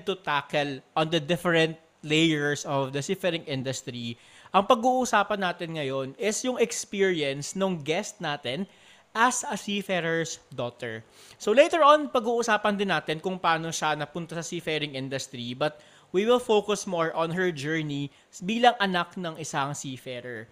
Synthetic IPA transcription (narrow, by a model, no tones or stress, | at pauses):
t̪ʊt̪akɛlʔɔnd̪ɐd̪ɪfɛɹɛ̃nt̪̚ | lejɛɹsɔvd̪ɐsifɛɾɪŋʔɪ̃nd̪ɐst̪ɾi | ʔɐŋpɐɡuːʔʊsaːpɐnːaːt̪ɛnŋɐjonɪsjʊŋɛkspiɹiɛnsnoŋɡɛst̪̚naːt̪ɛn | ʔɐsɐsifɛɹɛɹsd̪ot̪ɛ̰ɹ | solejt̪ɛɹʔonpɐɡuːʔʊsaːpɐnd̪ɪnːaːt̪ɛnkʊŋpɐʔaːnoʃɐnɐpʊnt̪ɐsɐsifɛɾɪŋʔɪnd̪ɐst̪ɾibɐt̪̚ | wiwɪlfowkʊsmoɹʔɔnɦɛɹd͡ʒɛɹni | biːlɐŋʔɐnak̚nɐŋʔɪsaŋsiːfɛɾɛɹ